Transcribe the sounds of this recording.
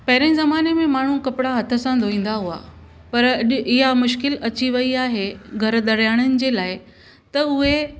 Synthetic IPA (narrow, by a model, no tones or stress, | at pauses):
pɐɦɪɾẽzɐmaːnemẽmaːɳ̤ũkɐpɪɽaɦɐt̪ʰə̆sãd̪ʱoĩːn̆d̪aɦua̰ | pɐɾɪɦamʊʃ̬kɪlɐt͡ɕiʋɐiaːɦeɡʱɐɾɗ̪ɐɾjaːɽ̃ənɪ̆d͡ʑeːlaːɪ | t̪ɐʊɦe